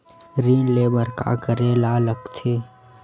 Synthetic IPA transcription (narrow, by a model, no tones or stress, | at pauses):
ɾiːnleːbəɾka̰ɡəɾeːlaːləkt̪ʰeː